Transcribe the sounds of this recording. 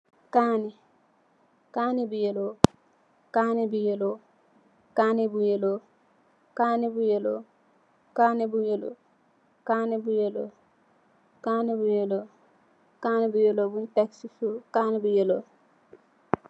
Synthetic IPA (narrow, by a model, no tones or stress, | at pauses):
kaːni | kaːnibujɛlɔ | kaːnibujɛlɔ | kaːnibujɛlɔ | kaːnibujɛlɔ̰ | kaːnɛbujɛlɔ̰ | kaːnɛbujɛlɔ | kaːnibujɛlɔ | kaːnɛbujɛlobuntɛksisukaːnibujɛloː